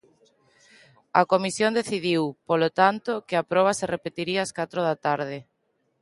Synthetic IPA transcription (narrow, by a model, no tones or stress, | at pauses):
ɐkomisjõnd̪eθiðiwpolot̪ant̪okɪapɾɔβ̞ɐserepet̪iɾiaaskat̪ɾoðat̪aɾðɪ